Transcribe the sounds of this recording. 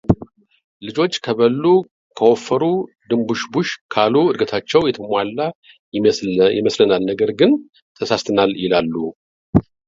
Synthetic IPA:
lɨd͡ʒo̞t͡ʃːkʰəβəlːu | kʰəwofːəɾu | d̪ɨmbuʃbuʃkʰaluɨd̪ɡət̪ʰat͡ʃːɛwjɛt̪ʰəmʷalːa | jɪ̰məslənalnəɡəɾɡɨn | t̪ʰəsast̪ʰɨnaljɪlalːu

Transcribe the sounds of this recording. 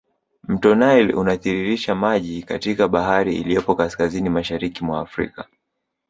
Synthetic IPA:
m̩tɔnailṵnaθiɾiɾiʃamaʄika̰tikaɓahaɾiḭlijɔpɔkaskazinimaʃaɾikimwa̰ːfɾḭka

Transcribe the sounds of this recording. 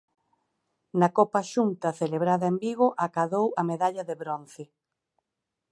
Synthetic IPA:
nɐkopɐʃunt̪ɐθeleβɾaðɐembiɣoʔakaðowɐmeðaʎɐðeβɾon̟θe

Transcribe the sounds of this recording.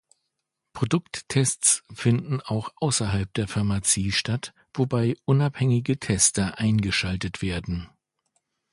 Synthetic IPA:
pʁ̥odʊktʰːɛst͡sfɪndn̩aʊxʔaʊsɐɦalp̚d̥eːɐfɪɐmat͡siːʃtat | v̥obaɪʔʊnaphɛŋɪɡətʰɛstɐʔaɪnɡəʃaltətv̥eːɐdn̩

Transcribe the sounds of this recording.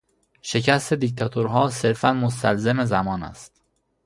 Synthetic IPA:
ʃe̞cʰæst̪e̞d̪ic̚t̪ʰɒt̪ʰoɾɦɒːse̞ɾfænmost̪ælzeme̞zæmɒːnæ̰st̪

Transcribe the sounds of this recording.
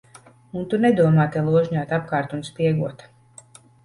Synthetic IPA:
unt̪unɛd̪uɔmaːt̪ɛlˠuɔʒɲaːt̪ap̚kaːɾt̪unspʲiɛɡuɔt̪

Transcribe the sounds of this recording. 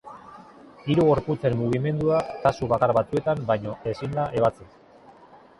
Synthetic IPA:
iɾuɣo̞ɾput͡se̞mːuɣ̞ime̞nd̪uat̪asuβakaɾβat͡sue̞t̪ambajɲo̞e̞sinlaʔe̞β̞at͡sis

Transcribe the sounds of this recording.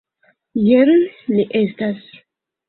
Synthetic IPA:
jeɾniʔestas

